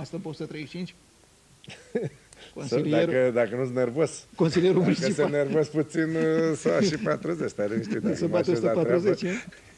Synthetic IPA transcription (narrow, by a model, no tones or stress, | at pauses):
ast̪ɐpost̪ət̪ɾejʃt͡ʃint͡ʃʲ | konsɐld̪eɾəd̪akənusnervozkonsiljeɾumuniisenervosput̪sinsɐaʃipat̪ɾuzet͡ʃt̪aɾeĩnst̪it̪usɐaoeapaɾuzet͡ʃ